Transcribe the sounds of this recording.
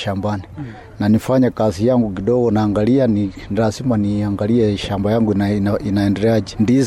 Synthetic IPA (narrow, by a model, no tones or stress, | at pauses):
ʃambani | nanifaɲakazijaŋɡuk̬iɗɔɡɔnaːŋɡaliani | nɾasimaniaŋɡaliɛʃambajaŋɡuinaɛndɛɾɛaʄɛndiz